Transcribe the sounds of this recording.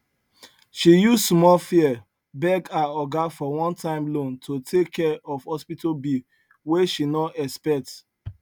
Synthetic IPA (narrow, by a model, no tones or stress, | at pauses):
ʃijussmɔlfiɛ | bɛɡaɔɡafɔwɔ̃ntʰãɪ̃mlõntʰotʰekʰːɛɔvhɔspitobi | weʃinɔɛspɛk̚t